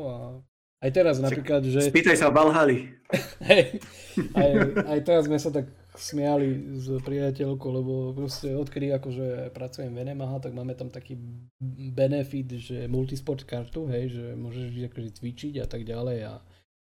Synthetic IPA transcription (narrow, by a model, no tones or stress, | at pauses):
a | ajt̪ɛɾaznappɾiːklad̪ʒɛpiːt̪ajsabalɦaliɦɛj | ajajt̪ɛɾazmɛsat̪ak | smɛalizpɾiacɛlkɔlɛbɔpɾɔscɛɔt̪kɛd̪iakɔʒɛpɾat͡sujɛmʋɛnɛmaɦat̪aɡ̚maːmɛt̪amt̪akiː | bɛnɛfid̪ʒɛmult̪ispɔɾt̪kaɾt̪uɦɛjʒɛmʊɔʒɛʒiɟakɔʒɛt͡sʋit͡ʃiɟat̪aɡɟalɛja̰